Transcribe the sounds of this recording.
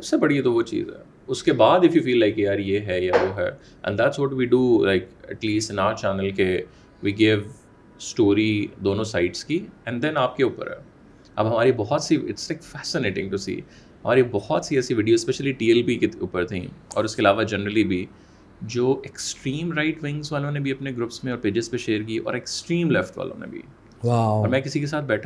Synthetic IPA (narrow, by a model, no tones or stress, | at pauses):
sɐbsebɐɽit̪oʋot͡ʃḭːzɦɛ̰ | ʊskebaːd̪ɪfjufiːlːaɪkiaːɾjeɦɛjaʋoːɦɛ̰ | ʔɛ̰̃nd̪æʈswɔːʈʋiɖulaɪkɛ̰ʈliːsʈnaʊt͡ʃæːnəlke | ʋiːɡɪʋ | sʈoːɾid̪oːnõsaɪʈskiɛ̃ɳɖd̪ɛ̃naːp̚keuːpə̰ɾɦɛ̰ː | ʔɐ̰bɦɐmaːɾibɔɦɔt̪siɪ̰ʈslaɪkfæːsɪneːʈɪ̰̃ŋʈusḭː | ɦɐmaːɾibɔhɔt̪siɛːsiʋɪːɖijoːspɛʃəliʈiːɛlpikeṵːpəɾt̪ʰḭ̃ːɔ̰ːɾʊskeɪlaːʋad͡ʒɛnəɾəlibʱi | d͡ʒoːʔeksʈɾiːmɾaɪʈʋɪ̃ŋzʋaːlõnebʱiɐpneɡɾʊpsmẽɔːɾpeːd͡ʒɪzpẽʃeːəɾk̬iʔɔ̰ːɾeksʈɾĩːmlɛfʈʋa̰ːlʔõ̰nḛbʱḭ | waɔːɾmɛ̃ːkɪsikes̬aːt̪̚ʰbɛːʈʰa